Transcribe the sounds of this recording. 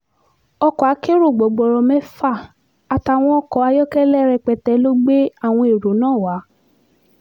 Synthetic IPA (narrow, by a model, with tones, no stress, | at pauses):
ɔ˧kɔ˨a˨˦ke˦ɾo˦˨ɡ͡bɔ˨˦ɡ͡bɔ˨ɾɔ˧mɛ̃˦fa˦˨ | a˨ta˨w̃ɔ̃˧ɔ˧kɔ˨˧˦a˧jɔ˦kɛ˦lɛ˦ɾɛ˧k͡pɛ˧tɛ˨˦lo˦ɡ͡be˦a˦˨w̃ɔ̃˧e˨ɾo˨˦nãː˦˨wa˨˦